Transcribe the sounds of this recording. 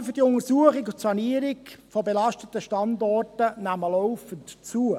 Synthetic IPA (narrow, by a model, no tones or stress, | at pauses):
fʏd̥iʊŋəsuəχɪkʊtsɑniəɾɪkfɔbelɑʃtətəʃtɑndɔrtənæməlɔʊfəntt͡suə